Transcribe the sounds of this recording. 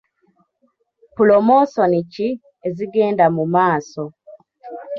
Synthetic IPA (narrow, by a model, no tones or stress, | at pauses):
pulomosonici | eziɡeːndamumaːso